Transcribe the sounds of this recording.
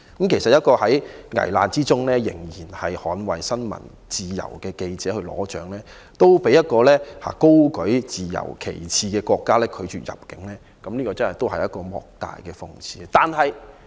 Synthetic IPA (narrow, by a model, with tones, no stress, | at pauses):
kɐ˨˦mkʰe˨˩jsɐ˨t̚jɐ˥t̚kɔː˧hɐ˨˥jŋɐ̰˨˩jla̰ː˧nt͡siː˥t͡sʊ˥ŋlɛː˥jɪ̰˨˩ŋjiː˨˩nhɐ˨jhɔː˨˥nwɐ˨˩jsɐ˥nmɐ̰˨˩n | t͡siː˨jɐ̰˨˩wkɛː˧ke˧jt͡sɛː˨˥hɵ˧ɥlɔ̰ː˨˥t͡ʃœ̰ː˨˥ŋlɛː˦˥ | t̪o˥wpe˨˥jɐ˥t̚kɔː˧lɛː˥haː˨˩ko˥wkɵ˨˥jt͡siː˨jɐ̰˨˩wkʰḛ˨˩jt͡sʰiː˧kɛː˧kʷɔː˧kːaː˥lɛː˥kʰɵ˨˧ɥt͡ʃyː˨jɐ̰˨˩p̚kɪ˨˥ŋlɛː˥ | kɐ˨˦mliː˥kɔː˧t͡sɐ˥nhɐ˨jt̪o˥wɦɐ˨jɐ˥t̚kɔː˧mɔ̰ː˨k̚t̪a̰ː˨jkɛː˧fʊ˨˧ŋt͡sʰḭː˧˥t̪aː˨nhɐ˨j